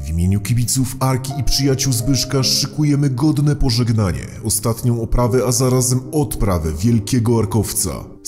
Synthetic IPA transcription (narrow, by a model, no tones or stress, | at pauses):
vʲimʲjeɲukʲibʲit̪sufaɾkʲiːpʂɘjat͡ɕuwzbɘʂkaʂɘkujɛmɘɡɔd̪nɛpɔʐɛɡnaɲɛ̰ɔst̪at̪ɲɔ̃w̃ɔpɾavɛazaɾazɛmɔt̪pɾavɛvʲjɛlkʲɛɡɔaɾkɔft̪sa̰